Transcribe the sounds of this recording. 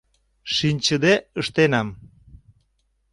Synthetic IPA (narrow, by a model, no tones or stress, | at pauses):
ʃinʲt͡ɕəd̪eəʃt̪enɑm